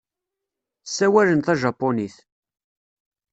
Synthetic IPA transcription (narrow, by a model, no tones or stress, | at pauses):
sːæwælənt̪æʒɑpːoniθ